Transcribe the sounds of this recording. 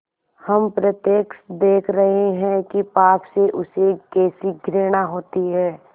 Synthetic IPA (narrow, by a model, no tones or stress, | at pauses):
hɐmpɾət̪jeːksd̪eːkʰɾɐɦeɦɛ̃kipaːpseʔʊsekɛːsiɡʱɾeːɽ̃aɦoːt̪iɦɛː